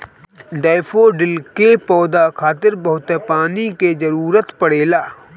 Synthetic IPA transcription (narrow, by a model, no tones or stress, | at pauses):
ɖaːfʰoɖɪlkepɔːd̪akʰaːt̪ɪɾbɐɦʊt̪epaːniked͡ʒɐɾuːɾət̪pəɽeːlaː